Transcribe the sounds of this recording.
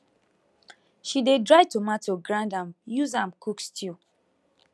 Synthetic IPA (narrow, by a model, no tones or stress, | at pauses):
ʃidedɹaɪtomatoɡɹãndãmjuzãmkʰukstʰi